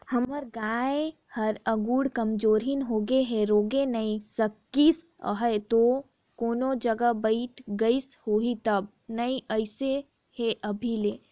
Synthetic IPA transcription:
hɐməɾɡaːe | hɐɾɐɡuːɽkɐmd͡ʒoːɾɦinɦoːɡeɦɛɾoːɡenɐĩsɐkːisɦəet̪o | koːnõd͡ʒɐɡəbɐɪʈʰɡɐishoːɦit̪ɐb̚ | nɐĩʔəɪse | hɛʔɐbʱileː

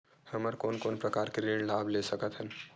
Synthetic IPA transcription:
həməɾkoːnkoːnpɾəkaːɾkeɾeɽlablesəkət̪ɦən

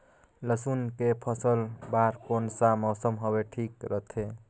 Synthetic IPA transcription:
ləsunkepʰəsəlbaɾkonsamɔsəmɦobeʈʰikɾət̪ʰe

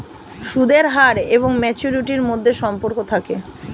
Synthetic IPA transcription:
ʃud̪eɾɦaɾeβoŋmɛt͡ɕuɾiʈiɾmod̪ʱːeʃɔmpoɾkot̪ʰake

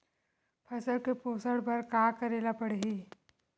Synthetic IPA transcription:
pʰɐsəɾkepoːsəɽbɐɾkaːkəɾeːlapɐɽeɦiː

